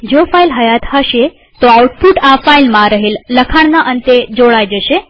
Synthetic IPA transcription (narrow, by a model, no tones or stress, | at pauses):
d͡ʒofailɦəjat̪həʃe | t̪oauʈ̚puʈafailmãɾəɦelːəkʰaɳnaʔənt̪ed͡ʒoɭajd͡ʒəʃe